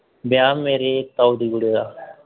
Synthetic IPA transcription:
bjaːmeːɾeːt̪aːud̪iːɡʊɽeːd̪aː

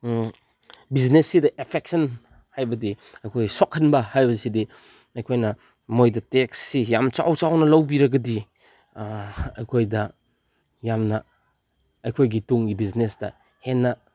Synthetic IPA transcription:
biznesːidɐʔepʰek̚sɐn | hajbɐdi | ɐjkʰojsɔkʰːɐnbɐhajbɐsidi | ɐjkʰojnɐ | mojdɐteksːijamt͡ʃa̰wt͡ʃawnɐlɐwbiɾɐɡɐdi | ɐjkʰojdɐ | jamnɐ | ɐjkʰojɡituŋɡibiznesd̥ɐ̰ | henːɐ

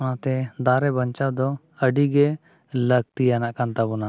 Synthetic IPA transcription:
ɔnat̪ɛd̪aɾɛbəɲt͡ʃad̪ɔ | əɖiɡɛ | ləɡ̚t̪ijanaʔkant̪abɔna

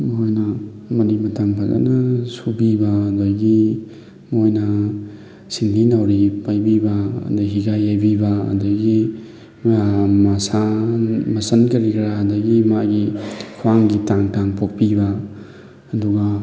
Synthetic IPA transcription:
mojnɐmɐɾimɐtaŋpʰazɐ̰nɐsubibɐːdojɡi | mojnɐ | sinɡinawɾipajbibɐɐ̰daɦiɡajajbibɐɐ̰dojɡi | mɐsa | mɐsɐnkɐɾikʰɾaɦɐdɐɡimaɡikʰuaŋɡitaŋtaŋpʰok̚pibɐ | ɐduɡa

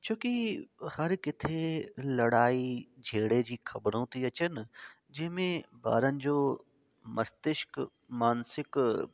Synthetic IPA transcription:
t͡ɕʰoːkihɐɾkɪt̪ʰelɐɽaːid͡ʑʱeːɽed͡ʑiːxʰɐbɾõt̪iɐt͡ɕən | d͡ʑɪ̃ɦmẽba̰ːɾənɪ̆d͡ʑoː | mɐst̪ɪʃk | maːnsɪk

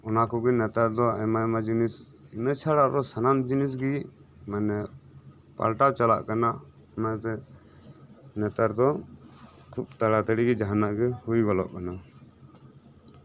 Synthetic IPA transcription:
ɔnakɔɡɛnɛt̪aɾd̪ɔa̰majmad͡ʒinis | imət͡ʃʰaɽaʔɾɔsanamd͡ʒinis̬ɡi | manɛ | pa̰lʈawt͡ʃala̰ʔkanaʔ | mat̪ɛ | nɛt̪aɾd̪ɔ | kʰub̚t̪aɽat̪aɽiɡɛd͡ʒaɦanaʔɡɛhujɡɔlɔ̰ʔkana

